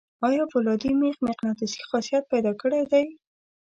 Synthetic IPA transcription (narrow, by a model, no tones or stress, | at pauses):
ɑjɑpʊlɑd̪imexmɪqnɑt̪ɪsi̥xɑsijat̪̚pajd̪ɑkəɽed̪aj